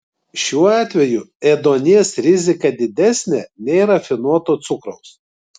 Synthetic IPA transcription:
ʃʲuːɑːt̪ʲʋʲɛjʊɛd̪oːnʲiɛsɾʲɪzʲɪkɐd̪ʲɪd̪ʲæsʲnʲɛːnʲɛɪɾɐfʲɪnuɔt̪oːt̪sʊkɾɔʊs

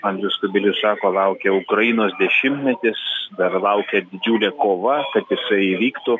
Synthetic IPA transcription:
ɐŋɡlʲʊskʊbʲɪlʲʊssɑːkoːlˠɐʊkʲɛʊkɾɐjɪnoːsd̪ʲɛʃʲɪmt̪mʲɛt̪ʲɪsd̪ɐrlˠɐʊkʲɛd̪ʲɪd͡ʒʲuːlʲɛːkoːʋɐkɐt̪jɪsɐɪiʋʲiːkt̪ʊ

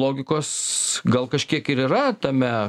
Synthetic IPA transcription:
lˠoːɡʲɪkoːsɡɐlˠkɐʃʲkʲiɛkɪɾiːrɐt̪ɐmʲɛ

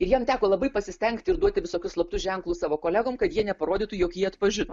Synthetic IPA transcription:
ɪɾjiɛmt̪ʲæːkoːlˠɐbɐɪpɐsʲɪsʲt̪ʲɛŋkt̪ʲɪɾd̪uɔt̪ʲɪʋʲɪsoːkʲʊslˠɐpt̪ʊʒʲɛŋklˠʊsɑːʋoːkoːlʲæːɡoːmkɐt̪jiɛnʲɛpɐɾoːd̪ʲɪːt̪ʊjoːkjiɛɐt̪pɐʒʲɪnoː

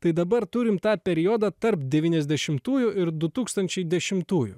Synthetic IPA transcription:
t̪ɐɪd̪ɐbɐɾt̪ʊɾʲɪmt̪ɑːpʲɛɾʲɪjoːd̪ɑːt̪ɐɾpd̪ʲɛʋʲiːnʲɛzʲd̪ʲɛʃʲɪmt̪uːjʊɪɾd̪ʊt̪uːkst̪ɐnʲt͡ʃʲɛɪd̪ʲɛʃʲɪmt̪uːjʊ̰

